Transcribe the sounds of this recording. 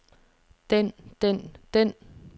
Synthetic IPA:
d̥end̥en̰d̪̥en̰

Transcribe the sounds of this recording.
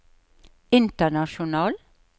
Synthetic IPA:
ɪnt̪ənɑʃʊnɑːl

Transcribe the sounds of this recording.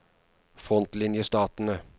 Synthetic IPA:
fʁɔnt̪lɪnjəst̪ɑːt̪n̩ə

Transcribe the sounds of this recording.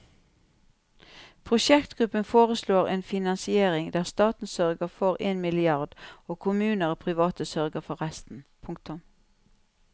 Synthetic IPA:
pʰʁʊʃɛkt̪ɡ̥ʁʉpənfoːʁəsloːʁḛːnfɪnɑnsɪeːʁɪŋd̪æːʁst̪ɑːt̪n̩sœʁɡəfɔʁeːnmɪlɪɑʁd̪oːkʰʊmʉːnəʁpʰʁɪʋɑːt̪əsœʁɡəfɔʁɛst̪n̩pʰʊŋk̚t̪ʊm

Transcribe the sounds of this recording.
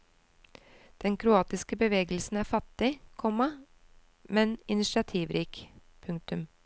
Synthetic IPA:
d̪̥ɛŋkʰɾʊɑːt̪ɪskəbəʋeːɡəlsn̩æːfɑt̪ɪkʰɔmɑ | mɛnɪnɪʃɑt̪ʰiːʋɾiːk | pʰʉŋkt̪ʉm

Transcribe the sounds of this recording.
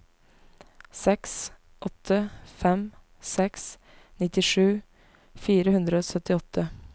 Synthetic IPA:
sɛks | ʔɔt̪ʰːəfɛm | sɛks | nɪt̪ɪʂʉː | fiːɾəhʉnd̪ɾəoːsœt̪ɪɔt̪ʰːə

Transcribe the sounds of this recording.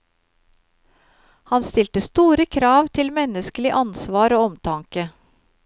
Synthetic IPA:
hɑnst̪ɪlt̪əst̪uːɾəkʰɾɑːʋt̪ʰɪlmɛnəskəlɪʔɑnsʋɑːɾoːɔmt̪ʰɑŋkə

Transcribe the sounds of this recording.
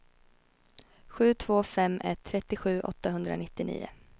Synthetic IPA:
ɧʉ̟ːt̪ʰv̥oːfɛmːʔɛ̰t̪ʰːɾɛt̪ːɪɧʉ̟ːʔɔ̰t̪ːaɦɵnd̪ɾa̰nɪt̪ːɪnḭːʊ̰

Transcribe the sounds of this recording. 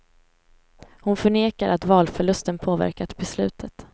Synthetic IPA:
hʊnfœɳeːkaɾʔat̪vɑːlfœɭɵst̪ənpʰoːvæ̰ɾkat̪bɛslʉ̟̰ːt̪ʰət̪

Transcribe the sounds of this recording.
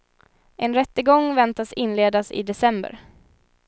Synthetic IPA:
ʔɛnɾɛt̪ːəɡɔŋːvɛnt̪asɪnːleːd̪asɪ̰d̪ɛsɛmbə̰ɾ

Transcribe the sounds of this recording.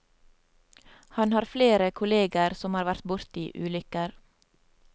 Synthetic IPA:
hɑnhɑːɾfleːɾəkʰʊleːɡəɾsɔmhɑːɾʋæɾt̪̚bʊɾt̪iːʔʉ̰ːlʏkəɾ

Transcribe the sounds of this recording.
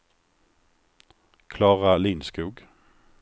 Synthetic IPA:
kʰlɑːʁaliːnskʉːɡ

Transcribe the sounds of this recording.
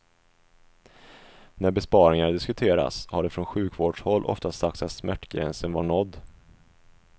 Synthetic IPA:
næɾbɛspɑːɾɪŋad̪ɪskɵt̪ʰeːɾa̰shaɖɛfɾɔnɧʉ̟ːkvoːɖʂhɔlːʔɔ̰ft̪assak̚t̪sat̪smæʈːɡɾɛ̰nsənvaɳɔd̪ː

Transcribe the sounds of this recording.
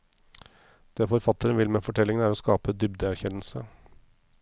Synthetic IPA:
d̪̥eːfɔɾfɑt̪əɾənʋɪlmeːfɔʈʰɛlːɪŋəæːɾoːskɑːpəd̪ʏbd̪əæɾçɛnəlsə

